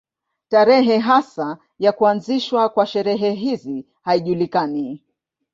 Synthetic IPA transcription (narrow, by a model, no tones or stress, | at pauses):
taɾɛɦɛɦasa | jakuanziʃwakwaʃɛɾɛɦɛɦizi | haiʄulikani